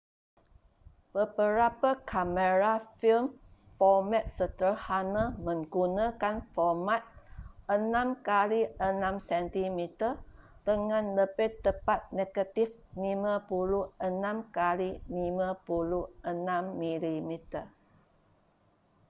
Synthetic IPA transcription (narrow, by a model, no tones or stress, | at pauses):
b̥əbəɾapakʰaməɾafilm | fɔmɛt̪̚sət̪əhanamə̃ŋɡunãkanfɔmat̪̚ənãmkaliənãmsɛnt̪imit̪ət̪əŋãnləbɪt̪ːəpat̪̚neɡat̪if | nimãpuluənãmkalinimãpuluʔənãmːilimit̪ə